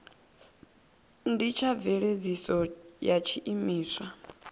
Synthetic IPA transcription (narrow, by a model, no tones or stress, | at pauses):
ndit͡ʃʰavɛɺed͡zisɔjat͡ʃʰiʔimiːswa